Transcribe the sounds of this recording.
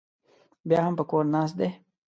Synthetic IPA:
bjaːɦɐmpəkoːɾnaːs̬t̪̚d̪eː

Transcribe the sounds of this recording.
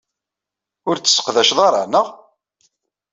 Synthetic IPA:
ʊɾt͡sːə̥sːə̥qðæʃðˤɑɾˤɑ̰nəʁ

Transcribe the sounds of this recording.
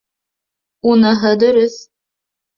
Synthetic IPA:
unɤɦɤd̪ɵ̆ɾɵθ

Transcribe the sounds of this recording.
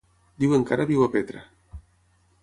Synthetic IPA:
d̪iweŋkaɾaðiwapet̪ɾa

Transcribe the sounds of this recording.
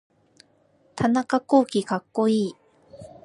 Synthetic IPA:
t̪ʰanakako̞ːkʲikakːo̞iː

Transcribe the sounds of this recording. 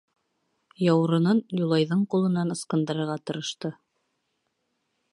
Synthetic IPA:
jɑwɾɤ̆nɤnjulˠɑjðɤɴqulˠɤ̆nɑnɤ̆sqɤ̆nd̪ɤ̆ɾɤ̆ɾʁɑt̪ɤ̆ɾɤ̆ʃt̪ɤ

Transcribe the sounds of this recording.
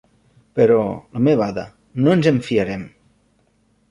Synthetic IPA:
peɾɔləmeβaða̰ | noenzeɱfiəɾɛm

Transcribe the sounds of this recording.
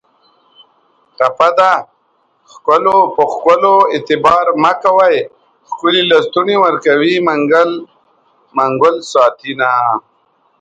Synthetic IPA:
tapad̪a | xkolopəxkoloɪt̪ɪbɑːɾmakawaj | xkʊlilast̪uniwəɾkawimaŋɡl | maŋɡʊlsɑːt̪ʰina

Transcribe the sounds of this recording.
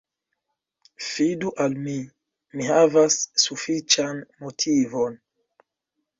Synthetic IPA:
fiduʔalmi | miɦavasːufit͡ʃanmotʰivon

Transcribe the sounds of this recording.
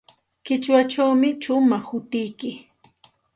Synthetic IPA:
kɪt͡ʃwat͡ʃawmɪt͡ʃʊmaχhʊt̪ɪjkɪ

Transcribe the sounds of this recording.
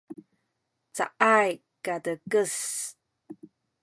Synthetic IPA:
t͡sa̰ʔaj | kadəkəs

